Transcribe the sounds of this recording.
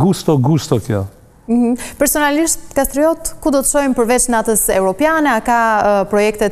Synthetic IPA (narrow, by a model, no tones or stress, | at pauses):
ɡust̪ɔɡust̪ɔkjɔ̰ | m̩h̩pɛɾsɔnaliʃt̪kast̪ɾiɔt̪kud̪ɔt̪ə̥ʃɔjnpəɾvɛt͡ʃnat̪əsɛuɾɔpjanɛakapɾɔjɛkt̪ɛ